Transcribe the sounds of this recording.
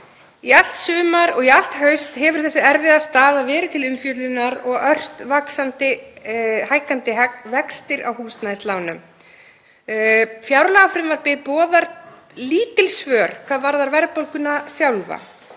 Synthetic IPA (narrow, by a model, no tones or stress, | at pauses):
ial̥t̪sʏːmaɾɔɣial̥t̪hœɥst̪hɛvʏɾ̥θɛsɪɛɾvɪðast̪aːðavɛːɾɪt̪ʰɪlʏmfjœːt̪lɪnːaɾɔɣœr̥t̪vaksant̪ɪ | hajhkant̪ɪɦɛkvɛkst̪ɪɾa̰whuːst̪naðɪst̪laːwnʏm | fjawɾlaafɾɪmvaɾpɪðpɔːðaɾt̪ | liːt̪ɪlsvœːɾ̥kʰvaːðvaɾðaɾvɛɾpowlkʏnasjawlva̰